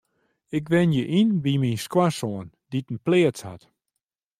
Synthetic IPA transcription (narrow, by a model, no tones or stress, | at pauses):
ɪkʋɪnjəʔinbiminskwasoən | ditn̩plɪəsha̰t